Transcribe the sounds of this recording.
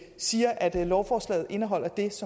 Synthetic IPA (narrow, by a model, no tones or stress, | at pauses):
siːɐʔæd̥lɒʊfɒːslɛ̰ːð̞̩ˠe̝nəɦɒ̽l̰ɐd̥e̝sɒ̽